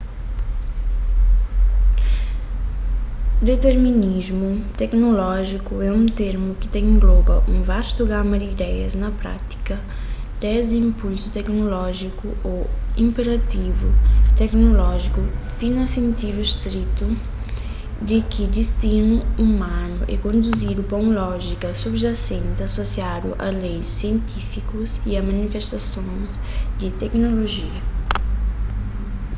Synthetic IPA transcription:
d̪et̪eɾminizmut̪ɛknolɔʒikuɛũt̪eɾmukɪ̥t̪ẽŋɡlobɐʔṵ̃vaʃt̪uɡamɐd̪iːd̪ɛjɐznɐpɾa̰t̪i̥kɐ | d̪̥ɛzĩmpulsut̪ɛknolɔʒikuoĩmpeɾat̪ivṵt̪ɛknolɔʒikʊt̪inɐsẽnt̪id̪uist̪ɾit̪u | d̪ɪkɪd̪ist̪inuumãnʊ̰ʔɛ̰kõnd̪uzid̪ʊpɐũlɔʒikɐsubʒasẽnt̪ɪasosiad̪ʊ̰ʔɐ̰lejsːiẽnt̪ifikʊziɐmãnifest̪asõjz | d̪ɪt̪ɛknoloʒiɐ

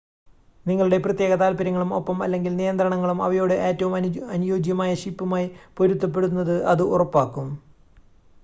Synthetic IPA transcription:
niŋːɐɭuɽe̞prɐt̪je̞ːɣɐt̪aːlpɐɾɐŋːɐɭumo̞pːɐmɐ̰lːe̞ŋɡilnijɐnd̪rɐɳɐŋːɐɭumɐ̰ʋɐjo̞ːɽeʔe̞ːtːɐʋumɐnujo̞ːd͡ʑjɐmaːjɐɕipːumaːjipo̞ɾut̪ːɐp̬ːe̞ɽunːɐðɨʔɐðɨʔurɐpːaːkːum

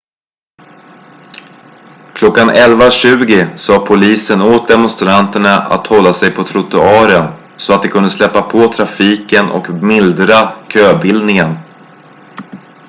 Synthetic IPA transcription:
kʰlɔkːanɛlvaɕʉ̟ːɡɪsɑːpʰʊliːsənoːt̪̚d̪ɛmɔnst̪ɾant̪əɳaʔa̰t̪hɔlːasɛjpʰɔt̪ʰɾʊt̪ɵɑːɾən | sɔat̪̚d̪ɛkʰɵnd̪əslɛpːapʰɔt̪ʰɾafiːkənʔɔ̰kmɪld̪ɾakʰøːbɪld̪nɪŋən

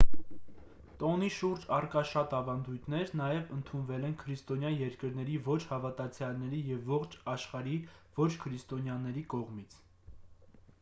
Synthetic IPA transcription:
t̪ɔniʃuɾd͡ʒɑrkɑʃɑt̪ɑvɑnd̪ujt̪ʰnɛɾnɑjɛvənt̪ʰunvɛlɛnkʰəɾist̪ɔnjɑjɛɾkəɾn̪ɛɾivɔt͡ʃʰhɑvɑt̪ɑt͡sʰjɑlnɛɾijɛvːɔχt͡ʃʰɑʃχɑɾi | v̥ɔt͡ʃʰkʰəɾist̪ɔnjɑnɛɾikɔʁmit͡sʰ

